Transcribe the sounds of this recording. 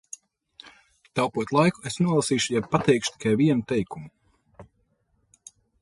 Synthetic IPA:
t̪awpuɔt̪ʲlˠajku̥esnuɔlˠasiːʃujab̚pat̪ɛjkʃt̪i̥kʰajviɛnut̪ɛjkumu

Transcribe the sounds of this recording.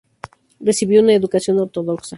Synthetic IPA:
re̞siβjounae̞ðukasjo̞no̞ɾt̪o̞ðo̞ksa

